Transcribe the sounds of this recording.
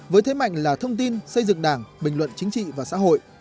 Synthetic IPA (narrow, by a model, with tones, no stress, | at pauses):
vəː˨˦jt̪ʰe˨˦ma̰˧˨jŋ̟laː˨˩t̪ʰə˧wŋ͡mt̪i˧nsə˧jzɨ̰˧˨ŋɗaː˧˩ŋɓï˨˩ŋ̟lwə̰˧˨nt͡ɕï˨˦ŋ̟t͡ɕḭ˧˨vaː˨˩sa̰ː˧˥ɦo̰˧˨jʔ